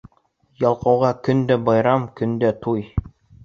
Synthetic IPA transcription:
jɑlˠqɑ̆wʁɑkɵ̆nd̪æbɑjɾɑmkɵ̆nd̪æt̪uj

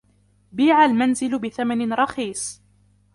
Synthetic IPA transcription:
biːʕalmanzɪlʊbɪθamanɪnɾˤɑxiːsˤ

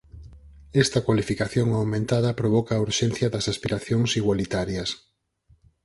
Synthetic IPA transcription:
ɛst̪ɐkwalifikaθjoŋawmẽnt̪aðɐpɾoβɔkaːuɾʃɛnθjɐðɐsaspiɾaθjoŋsiɣwalit̪aɾjɐs

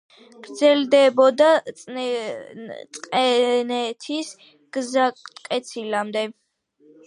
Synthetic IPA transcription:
ɡ̥ɾd̪zɛld̪ɛbɔd̪a | t̪ʼqʼɛnɛt̪ʰis | ɡ̥zat̪ʼkʼɛt̪sʰilamd̪ɛ

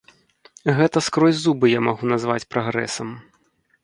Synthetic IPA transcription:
ɣɛt̪ɐskɾɔzʲzubɨjamaɣunɐzvat͡sʲpɾaɣɾɛ̰sɐm

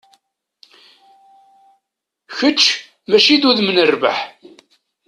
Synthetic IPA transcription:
çət͡ʃː | mæʃiðuðmənərvə̰ħ

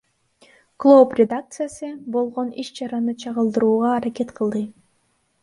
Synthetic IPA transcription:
klˠoprʲed̪ak̚t̪sɨjasɯbo̞lˠʁo̞niʃt͡ʃɑɾɑnɯt͡ʃʰɑʁɯlˠd̪ɯɾuːʁɑːɾakʲe̞t̪qʰɯlˠd̪ɯ

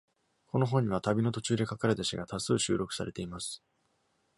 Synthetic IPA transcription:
ko̞no̞ɦõ̞ɲ̟ːiβ̞at̪abʲino̞t̪o̞t͡ɕɨːd̪e̞kakaɾet̪aɕiɡat̪ʰasɨːɕɨ̰ːɾo̞kɯ̟̥saɾe̞t̪e̞imasɨ̥

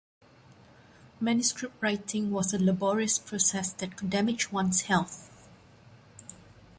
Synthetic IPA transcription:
mɛ̃njuskɹɪp̚t̚ɹajtʰɪ̃ŋwɔsələbɔɹiəspʰɹosɛsdɛt̚kʰdɛmɪd͡ʒwãnshɛlθ

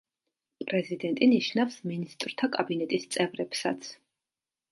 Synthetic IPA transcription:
pʼɾɛzid̪ɛnt̪ʼiniʃnafsminist̪ʼɾt̪ʰakʼabinɛt̪ʼist̪sʼɛvɾɛpsa̰t̪sʰ

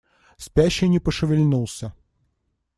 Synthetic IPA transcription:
spʲæɕːɪnʲɪpəʂɨvʲɪlʲnulˠsʲə

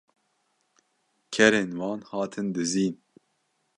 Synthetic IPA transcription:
kʰɛɾeːnwɑːnhɑːt̪ʰɨnd̪ɨziːn

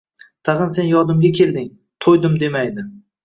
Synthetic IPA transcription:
t̪ʰɑʁɨnse̞njɒd̪ɪmɡʲakʲʰe̞ld̪ɪŋ | t̪ʰojd̪ɪmd̪e̞majd̪ɪ

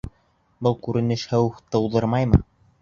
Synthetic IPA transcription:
bɤlˠkʉɾɘ̆nɘʃhɘwt̪ɤ̆wðɤɾmɑjmɤ̰

